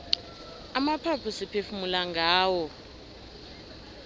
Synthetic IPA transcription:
amapʰapʰusipʰefumulaŋɡʱaːwɔ

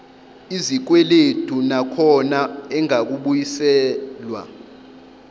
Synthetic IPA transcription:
izik̬wɛled̥ʱunakʰɔnaɛŋak̬uɓujisɛːlwa̰

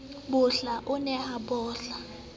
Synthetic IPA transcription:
bʊɬaʔʊnɛhabɔːɬa

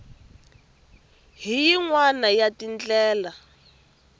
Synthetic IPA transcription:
ɦijiŋwanajatint͡ɬɛːla

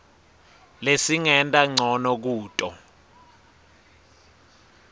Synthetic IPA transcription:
lesiŋɛntʼaŋ͡ǀʱɔnɔk̬uːtʼɔ

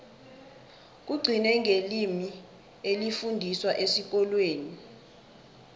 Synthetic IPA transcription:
k̬uɡ͡ǀʱinɛŋʱelimi | elifundʱiswaʔesik̬ɔlweːni

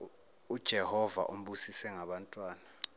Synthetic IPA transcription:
ud̥ʒ̥ʱɛhɔva̰ʔum̩ɓusisɛŋaɓantʼwaːna

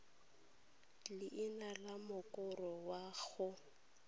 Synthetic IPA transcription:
lɪʔɪnalamʊkʼʊrɔwaɣʊ

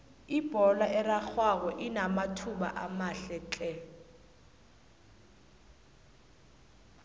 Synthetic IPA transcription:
ib̥ʱɔlaʔɛrak͡xwak̬ɔʔinamatʰuɓa̰ʔamaɬɛt͡ɬʼɛ

